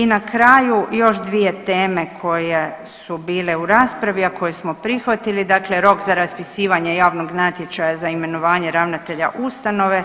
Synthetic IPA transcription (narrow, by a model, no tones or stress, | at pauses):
inakɾaːjujo̞ʃd̪ʋije̞t̪e̞ːme̞kʰo̞je | subiːle̞uɾaːspɾaʋiako̞jesmo̞pɾixʋat̪ilid̪akleɾo̞kzaɾaspisiːʋaɲe̞jaːʋnoɡnat̪je̞t͡ʃajazaime̞no̞ʋaːɲe̞ɾaʋnat̪e̞ʎa̰ʔust̪ano̞ʋe̞